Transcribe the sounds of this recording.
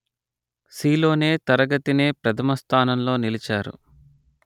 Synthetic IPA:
siːlo̞ːne̞ːt̪ɐɾɐɡɐt̪ine̞ːpɾɐt̪ʰɐmɐst̪ʰaːnɐmlo̞ːnilit͡ʃaːɾṵ

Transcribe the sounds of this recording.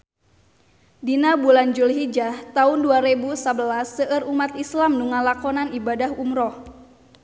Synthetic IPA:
dinabuland͡ʒulɦid͡ʒaht̪aʊnduaɾebusabəlasːəʔərumat̪islamnuŋalakɔnanibadahumɾɔh

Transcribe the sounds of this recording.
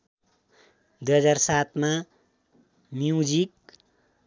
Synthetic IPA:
d̪ujɦʌd͡zarsat̪ʰma | mjud͡zik

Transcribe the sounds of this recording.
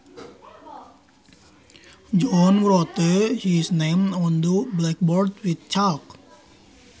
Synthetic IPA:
d͡ʒɔnɹɔt̪əhisnẽmɔ̃nd̪ublɛk̚bɔɾdwidt͡ʃalk

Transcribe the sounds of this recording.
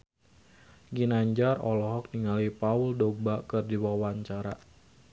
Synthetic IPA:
ɡinaɲd͡ʒarɔ̰lɔɦɔk̚niŋalipauldobakɨrdiwawaɲt͡ʃaɾa

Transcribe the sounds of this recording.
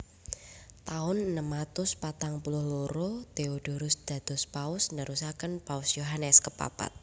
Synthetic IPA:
t̪aʊnənəmat̪ʊspat̪aŋpulʊhloɾot̪eod̥oɾʊsd̪̥ä̤d̪̥ɔspaʊsnəɾusakənpaʊsjoɦanɛskəpa̰pa̰t̪̚

